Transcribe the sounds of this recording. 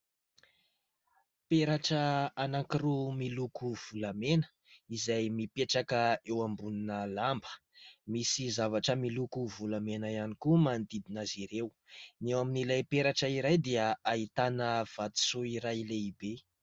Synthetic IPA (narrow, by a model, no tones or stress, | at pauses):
peɾaʈ͡ʂəanaŋkiɾumilukuv̥ulamenə̥ | izajmipeʈ͡ʂakəewambuninəlambə̥ | misizavaʈ͡ʂəmilukuvulamenaianikumand̪id̪inaziɾew | newaminilajpeɾaʈ͡ʂəiɾajd̪eəaɦit̪anəv̥at̪i̥suiɾajleibe